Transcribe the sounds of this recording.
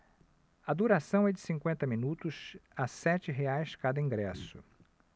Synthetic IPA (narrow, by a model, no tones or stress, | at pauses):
ɐd̪uɾasɐ̃w̃ɛd͡ʒɪsĩŋkwẽnt̪ɐmĩnut̪ʊsasɛt͡ʃɪɦeajskad̪ɐĩŋɡɾɛsʊ̰